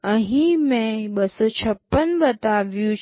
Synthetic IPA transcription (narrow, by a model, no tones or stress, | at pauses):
ə̃ɦĩmẽɓəsɔt͡ɕʰəpːənbət̪aʋjũ